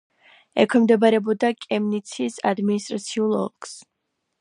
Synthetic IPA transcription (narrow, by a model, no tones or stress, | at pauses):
ɛ̰kʰwɛmd̪ɛbaɾɛbɔd̪akʼɛmnit̪sʰisa̰d̪minist̪ʼɾat̪sʰiulˠɔ̰lˠks